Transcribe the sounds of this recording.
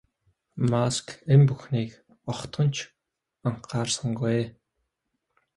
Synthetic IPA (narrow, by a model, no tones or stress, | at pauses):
maskempuxniːk | ɔχt̪ɢɞ̆nt͡ɕʰ | aɴqʰaːrsə̆ŋɡueː